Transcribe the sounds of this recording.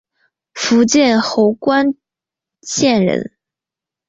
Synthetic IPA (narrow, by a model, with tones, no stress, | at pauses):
fu˧˥t͡ɕjɛ˥˩nxo˧˥ʊkwa˥n | t͡ɕjɛ˥˩nɻə̰˧˥n